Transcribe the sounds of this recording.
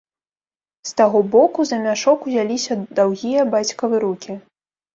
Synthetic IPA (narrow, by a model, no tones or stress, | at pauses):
st̪aɣɔbɔkuzɐmʲaʂɔkuzʲalʲisʲɐd̪awɣʲijɐbat͡sʲkɐvɨɾukʲi